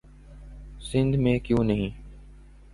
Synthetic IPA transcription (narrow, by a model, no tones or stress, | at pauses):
sɪ̃nd̪ʱmẽːkjũːnəɦĩː